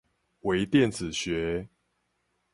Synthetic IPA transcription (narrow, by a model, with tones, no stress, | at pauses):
we˧˦ɪt̪jɛ˥˨nd͡zɹ̩˨˩ɕɥɛ˨˦